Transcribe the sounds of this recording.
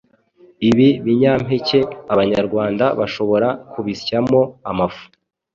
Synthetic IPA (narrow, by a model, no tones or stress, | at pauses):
iβiβiɲaːm̥hece̞aβaɲaɾɡwaːndaβaʃo̞βo̞ɾakuβiscamo̞amafu̥